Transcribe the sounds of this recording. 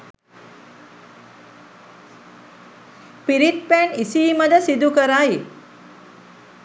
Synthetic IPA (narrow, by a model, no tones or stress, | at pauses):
piɾiʈ̚pænisiːməd̪əsid̪ukəɾai